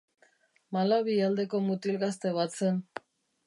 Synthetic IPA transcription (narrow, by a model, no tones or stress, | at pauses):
malaβiald̪e̞ko̞mut̪ilɣast̪e̞βat̪sen